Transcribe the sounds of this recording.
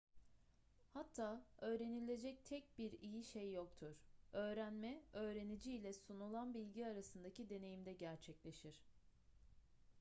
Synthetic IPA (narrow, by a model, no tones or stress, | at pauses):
hat̪ʰːaːø̞ːɾe̞nilʲe̞d͡ʒɛc̚t̪ʰɛc̚biɾijiʃejːok̚t̪ʰuɾ̥ø̞ːɾænmɛø̞ːɾe̞nid͡ʒiːlʲɛsunulˠanbilʲɟiaɾasɯnd̪acid̪e̞ne̞jimd̪ɛɟæɾt͡ʃʰɛclʲe̞ʃiɾ̥